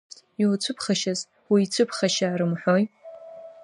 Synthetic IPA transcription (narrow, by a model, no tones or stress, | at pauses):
tʰiwt͡ɕʷʰɨpʰχaʃaz | wiːt͡ɕʷʰɨpʰχaʃaːɾɨmħʷᶣoj